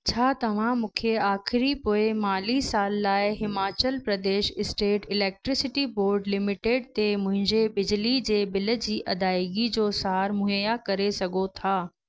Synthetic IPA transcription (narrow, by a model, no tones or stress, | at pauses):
t͡ɕʰaːt̪ɐʋ̤ãmũːkʰeaːxɪɾipoːɪmaːlisaːlːaːɪɦɪmaːt͡ɕəlpɾɐd̪eːʃɪsʈeːʈɪlɛːk̚ʈɾɪsɪʈiboːɾɖlɪmɪʈeːɖt̪emʊ̃ɦɪ̃ɲd͡ʑebɪd͡ʑlid͡ʑeːbɪlə̆d͡ʑiːʔɐd̪aːɪɡid͡ʑoːsaːɾmʊɦjakɐɾesɐɡot̪ʰaː